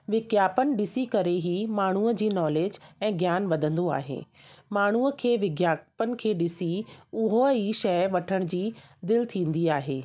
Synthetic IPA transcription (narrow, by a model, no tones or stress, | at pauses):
ʋɪɡjaːpənɪ̆ɗɪsikɐɾeɦiːmaːɳ̤uːəd͡ʑiːnɔːleːd͡ʑɛ̃ːɡjaːnʋɐd̪ʱə̃nd̪oa̰ːɦḛː | maːɳ̤uːəkʰeːʋɪɡjaːpənɪ̆kʰeːɗɪsiʊɦoiʃɐjʋɐʈʰəɽ̃d͡ʑiːd̪ɪlɪt̪ʰĩːn̆d̪iaːɦḛː